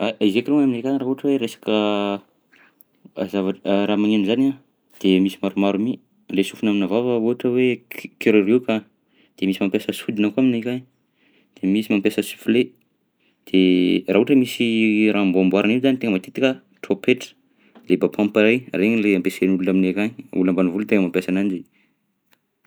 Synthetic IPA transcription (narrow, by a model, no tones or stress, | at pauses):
aizekiɾoŋaminekanɾaɦuʈ͡ʂəweɾesḁkə | azavaɾamaŋinuzana | d̪̥emisimaɾumaɾumi | ɳɖ͡ʐesufunaminavavəuaʈ͡ʂəwekeɾoɾika | d̪̥emisimampjasəsud̪inakuaminikan | d̪̥emisimampjasəsu̥fle | d̪̥eraɦuʈ͡ʂəmisirʔamboambwaɾaniuzanit̪eŋəmat̪it̪i̥kə | ʈ͡ʂopʰeʈ͡ʂə̥ | lebapʰãmpaɾajreɲileampesenulunaminekaɲiulambanivulut̪eŋəmampʲjasanand͡ʒi